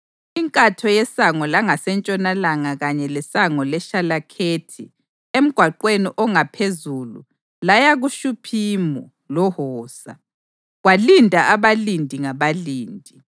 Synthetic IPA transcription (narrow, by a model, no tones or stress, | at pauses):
iŋkʼatʰɔjɛsaŋɔlaŋasɛnt͡ʃʼɔnalaŋaɣaɲɛlɛsaŋɔlɛʃalakʰeːtʰḭ | em̩ɡ̥ʱwaǃweniʔɔŋapʰezulṵ | lajaɣuʃupʰiːmɔ | lɔhɔːsa̰ | ɣwalindʱaaβalindʱiŋaβaliːndʱi